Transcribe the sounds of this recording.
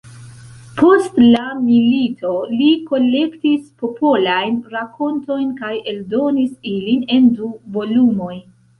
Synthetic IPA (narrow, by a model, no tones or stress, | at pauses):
pʰo̞stlamilitʰo̞liko̞le̞ktispo̞pʰo̞lajnɾako̞nto̞jnkaje̞ldo̞nisiline̞nduvo̞lumo̞j